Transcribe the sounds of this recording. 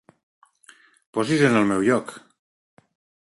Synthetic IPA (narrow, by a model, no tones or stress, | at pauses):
pɔzizenəlˠmɛwʎɔk